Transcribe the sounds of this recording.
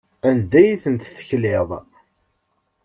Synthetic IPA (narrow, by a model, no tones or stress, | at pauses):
ænd̪ːæjiθənt̪θə̥çlɪðˤ